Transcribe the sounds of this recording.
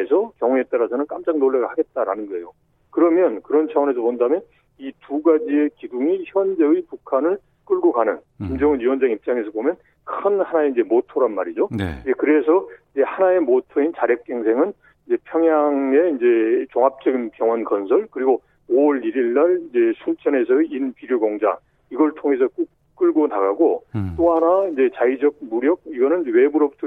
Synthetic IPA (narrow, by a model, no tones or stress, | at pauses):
esʰʌkjʌŋue̞t͈aɾasʰʌnɯnk͈amd͡ʑaŋnoɭːaɡaɭhaɡe̞t̚t͈aɾa̰nɯnɡʌejo | kɯɾʌmjʌnkɯɾʌnt͡ɕʰawʌne̞s̬ʰʌpondamjʌn | ituɡad͡ʑie̞kiduŋiçjʌnd͡ʑeɯjpukʰanɯɭ | k͈ɯɭɡokanɯnkimd͡ʑʌŋɯnɥiwʌnd͡ʑaŋip̚t͡ɕ͈aŋe̞sʰʌbomjʌn | kʰɯnhanaeind͡ʑe̞motʰoɾanma̰ɾid͡ʑon̰id͡ʑekɯɾe̞sʰʌid͡ʑe̞hanae̞motʰoint͡ɕaɾjʌk̚k͈e̞ŋsʰe̞ŋɯn | ind͡ʑe̞pʰjʌŋjaŋe̞ind͡ʑe̞t͡ɕoŋɦap̚t͡ɕ͈ʌɡinpjʌŋwʌnkʌnsʰʌɭkɯɾiɡo | oɾiɾiɭːaɭind͡ʑe̞sʰunt͡ɕʰʌne̞sʰʌinpiɾjoɡoŋd͡ʑa̰ | iɡʌɭtʰoŋe̞s̬ʰʌku | k͈ɯɭɡonaɡaɡot͈oɦanaind͡ʑe̞t͡ɕaid͡ʑʌɡ̚muɾjʌɡ̚iɡʌnɯnwe̞buɾʌbutʰʌ